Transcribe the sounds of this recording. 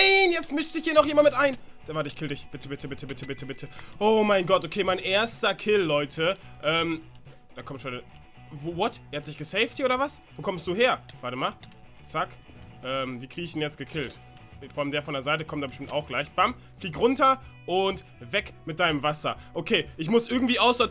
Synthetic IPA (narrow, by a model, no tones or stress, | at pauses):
aɪnjɛt͡stmɪʃtz̥ɪçhiːɐnɔχxjeːmanmɪtʔaɪn | d̥avaɐtɪçkʰɪldɪçb̥ɪtʰəbɪtʰəbɪtʰəbɪtʰəbɪtʰəbɪtʰəʔoːmaɪnɡɔtʔokʰeːmaɪnʔeːɐstɐkʰɪlːɔʏtʰəʔɛːm | d̥aːkʰɔmstɔnə | voːvɔtʔɛːɐhat̚d̥ɪçɡ̥əsɛɪfthiːɐʔoːdɐvasvoːkʰɔmstd̥uːɦeːɐv̥aːɐtəmaːl | t͡sak | ʔɛːmviːkʁ̥iɡəɪçd̥enjɛt͡stɡ̥əkʰɪlt | foɔʔaləmdeːɐfɔndeːɐzaɪtəkʰɔmtd̥aːbəʃtɪmtaʊxɡ̥laɪçb̥am | fliːkʁʊntɐʔʊnt | vɛkmɪt̚d̥aɪnəmvasɐʔokʰeːʔɪçmʊsʔɪɐɡŋ̩tv̥iːaʊsɔt